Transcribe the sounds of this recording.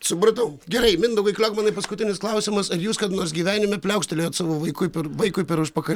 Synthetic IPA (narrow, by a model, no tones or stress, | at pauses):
sʊpɾɐt̪ɐʊɡʲɛɾɐɪmʲɪnd̪ɐʊɡɐɪklʲɛʊkmɑːnɐɪpɐskʊt̪ʲɪnʲɪsklˠɐʊsʲɪmɐsɪɾjuːskɐt̪noːɾsɡʲiːʋʲæːnʲɪmʲɛpʲlʲɛʊkʃʲt̪ʲɛlʲeːjɐt̪sɑːʋoːʋɐɪkʊɪpʲɛɾʋɐɪkʊɪpʲɛɾʊʃpɐkɐ